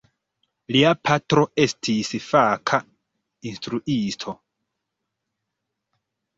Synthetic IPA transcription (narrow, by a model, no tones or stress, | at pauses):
liapʰatɾo̞e̞stʰisfakʰa | instɾuʔistʰo̞